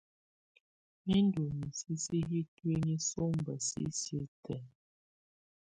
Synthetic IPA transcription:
mi˦n˦du˨mi˨si˦si˦ɦi˦twi˦ɲi˦so˦m˨bə˨sḭ˦sje˦tɛ˨

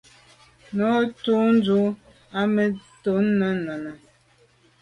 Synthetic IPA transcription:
nɔ˨˦tu˦n˦d͡zu˦ | a˦me˨to˨˦n˦na˦na˨na˨

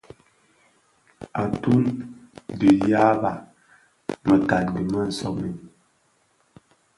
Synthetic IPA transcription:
a˨tu˦n | di˨ja˦ba˨ | mə˨ka˨n˨di˨ma˦˨n̩˨sɔ˦mi˨n

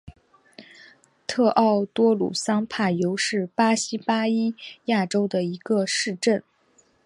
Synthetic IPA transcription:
t̪ʰɤ˥˧ʔɑ˥˩ʊt̪wɔ˥lṵ˨˩sɑ˥ŋpʰa˥˩jo˧˥ʊʂɻ̩˥˩pa˥ɕi˥pa˥i˥ja˥˩ʈ͡ʂo˥ʊd̪ə˨i˧˥ɡə˧ʂɻ̩˥˧ʈ͡ʂə˥˩n

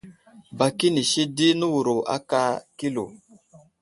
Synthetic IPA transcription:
ba˨ki˦ni˨ʃi˦di˦nu˦wu˨ɾo˨ʔa̰˦ka˦ki˦lo̰˨

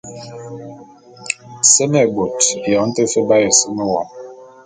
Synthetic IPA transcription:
sə˦me˨bo˨tjɔ˨˦n̩˦te˦fə˦ba˦je˨sə˦mə˦wɔ̰˨m

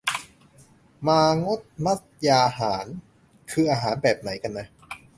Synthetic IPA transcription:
maː˧ŋo˦˥˩t̪̚ma˦˥˩t̪̚jaː˧haː˩˦n | kʰɯː˧ʔaː˧ɦaː˩˦nbɛː˨˩p̚na˩˦jka˧nːa˦˥

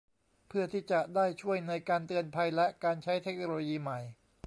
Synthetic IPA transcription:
pʰɯ˥˩ɐt̪ʰiː˥˩t͡ɕa˨˩daː˥˩jt͡ɕʰu˥˩əjna˧jkaː˧nt̪ɯ˧ənpʰa˧jlɛ˦˥ʔkaː˧nt͡ɕʰa˦˥jt̪ʰe˦˥k̚noː˧loː˧jiː˧ma˨˩j

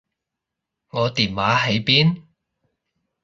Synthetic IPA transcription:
ŋɔː˨˧t̪iː˨˩nwaː˨˥ɦe˨˥jpiː˥n

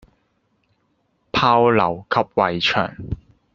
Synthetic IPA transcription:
pʰaː˧˥wlɐ˨˩wkʰɐ˥p̚wɐ˨jt͡ʃʰœ̰ː˨˩ŋ

